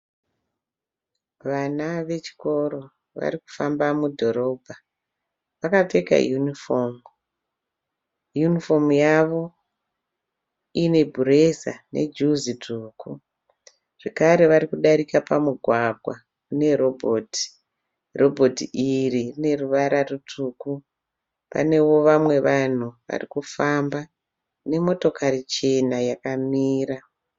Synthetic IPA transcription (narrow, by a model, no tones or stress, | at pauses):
ʋanaʋe̞t͡ʃi̥ko̞ɾo̞ | ʋa̰ɾiku̥fambamudʱo̞ɾo̞ːbʱa | ʋakate̞ka̰junifoːm | junifo̞mujaʋo̞ | ine̞bʱure̞sa̰nʔe̞̰d͡ʒuziduːku | ʐ̥ekaɾe̞ʋaɾikuɗaɾikapamuɡʱwaɡʱwa | ne̞ɾo̞bʱoti̥ | ro̞bʱo̞tiiririne̞ruʋaɾarutʰuku | pa̰ne̞wo̞ʋamwe̞ʋan̤uʋa̰rikufamba | ne̞mo̞to̞karit͡ʃe̞najakamiːɾa